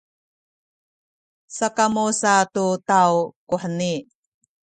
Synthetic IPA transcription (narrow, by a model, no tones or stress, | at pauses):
sakamusatutawkuħəni